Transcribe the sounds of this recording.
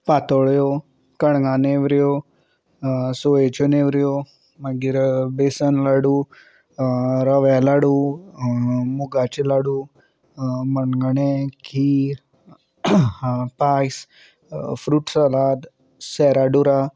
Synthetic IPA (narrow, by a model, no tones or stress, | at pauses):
pat̪oɭjo | kəɳŋaneʋɾijo | soet͡ʃoneʋɾijo | məɡiɾbesənlaɽu | ɾəʋɛlaɽu | muɡat͡ʃilaɽu | mənɡəɳekʰiː | paːjs | fɾuːʈsalaːd̪ | sɛɾaɖuɾa